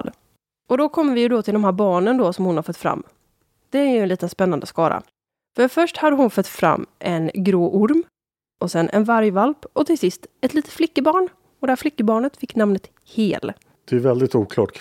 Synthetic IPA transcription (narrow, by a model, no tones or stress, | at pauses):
d̪ | ɔd̪ɔkʰɔmːəɾvɪjɵd̪ɔt̪ʰɪld̪ɔmɦæːɾbɑːɳənd̪ɔsɔmhʊnhaɾfœt̪ːfɾa̰mː | d̪̥ɛæɾjɵɛnliːt̪ənspɛnːand̪əskɑːɾʔa̰ | fœɾfœʂʈhad̪ːəɦʊnfœt̪ːfɾa̰mːʔɛnɡɾoːʔʊɾm | ɔsɛnʔɛ̰nvaɾjvalpɔt̪ʰɪlsɪst̪ɛt̪ʰliːt̪ət̪flɪkːəbɑːɳ | ɔd̪ɛhæːɾflɪkːəbɑːɳət̪fɪkːnamnət̪ | hḛːl | d̪̥ɛæɾvɛld̪ɪt̪uːkʰlɑ̰ːʈ